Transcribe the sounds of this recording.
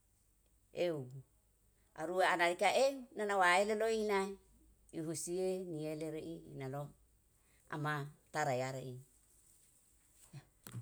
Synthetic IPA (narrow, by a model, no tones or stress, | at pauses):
ew | a̰ɾuaanaɾikaʔeunanawaeleloinaj | iɦusienieleɾeʔiːnano | a̰mat̪aɾajaɾeʔi